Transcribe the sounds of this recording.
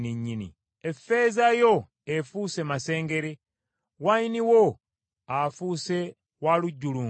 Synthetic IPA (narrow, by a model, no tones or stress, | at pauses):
niɲːinḭ | efe̞zajo̞ | efuːse̞mase̞ːŋɡe̞ɾe | wainiwo | afuːse̞ | waluɟːuluː